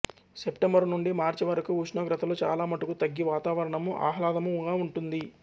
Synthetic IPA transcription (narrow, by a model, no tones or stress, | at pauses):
sepʈembɐɾnuɳɖimaːɾt͡ʃiʋɐɾɐkuuʃɳɐːɡɾɐt̪ɐloːt͡ʃa̰ːlaːmɐʈukut̪ɐɡːiʋaːt̪aːʋɐɾɐɳɐmuʔa̰ːɦlaːd̪ɐmuŋɡaːuɳʈund̪i